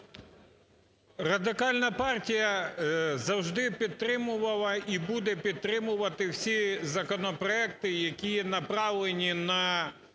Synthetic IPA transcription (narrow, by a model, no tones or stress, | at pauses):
rɐd̪ɪkɑlʲnɐpɑrtʲijɐ | zɐwʒd̪ɪpʲid̪̚t̪ːɾɪmʊʋɐlˠɐibud̪ɛpʲid̪̚t̪ɾɪmʊʋɐt̪ɪwsʲizɐkɔnɔpɾɔɛkt̪ɪjɐkʲinɐpɾɑwlˠenʲinɐ